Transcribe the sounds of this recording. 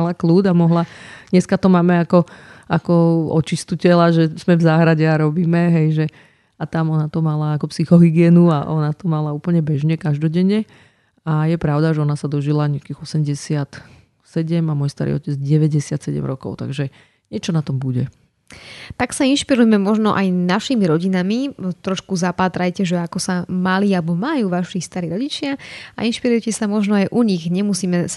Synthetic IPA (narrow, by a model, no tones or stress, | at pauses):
alakluːd̪amɔɦlaɲɛskat̪ɔmaːmɛakɔakɔɔt͡ʃist̪ucɛlaʒɛz̥mɛvzaːɦɾaɟɛaɾɔbiːmɛɦɛjʒɛ | at̪amɔnat̪ɔmalaːkɔpsixɔɦiɡɪɛːnuaʔɔnat̪ɔmalauːpl̩ɲɛbɛʒɲɛkaʒd̪ɔɟɛɲɛ | ajɛpɾaʊd̪aʒɛɔnasad̪ɔʒilaɲakiɣɔsɛmɟɛsɪat̪ | sɛɟɛmamɔjst̪a̰ɾḭːɔcɛd͡zɟɛʋɛɟɛsɪat̪sɛɟɛ̰mɾɔkɔ̰ʊt̪a̰ɡʒɛ | ɲɪɛt͡ʃɔnat̪ɔmbuɟɛ | t̪aksainʃpiɾujɛmɛmɔʒnɔʔajnaʃimiɾɔɟinamit̪ɾɔʃkuzapaːt̪ɾajcɛʒɛakɔsamalialbɔmajuːʋaʃist̪aɾiːɾɔɟit͡ʃɪaa̰inʃpiɾujɛcɛsamɔʒnɔajʔuɲiɣɲɛmusiːmɛ